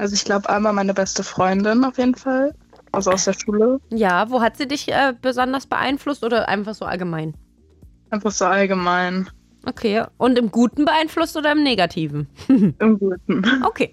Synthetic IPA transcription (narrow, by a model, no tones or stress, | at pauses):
ʔalzoɪçɡ̥laʊbəʔaɪmaːlmaɪnəbɛstəfʁ̥ɔʏndɪnaʊfjeːdn̩fal | ʔalzoaʊsd̥eːɐʃuːləjaːvoːɦatz̥iːdɪçʔɛːb̥əzɔndɐsb̥ə̰ʔa̰ɪnflʊstʔoːɾɐʔa̰ɪnfaχz̥oːʔa̰lɡəmaɪn | ʔaɪnfaχz̥oːalɡəmaɪn | ʔokʰeːʔʊntɪmɡuːtn̩bəʔaɪnflʊstʔoːɾɐɪmneːɡatʰiːvn̩ʔɪmɡuːt̚n̩ʔokʰeː